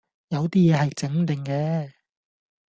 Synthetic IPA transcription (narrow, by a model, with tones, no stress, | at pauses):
jɐ˨˧wt̪iː˥jɛː˨˧ɦɐ˨jt͡sɪ˨˥ŋt̪ɪ˨ŋkɛː˧˥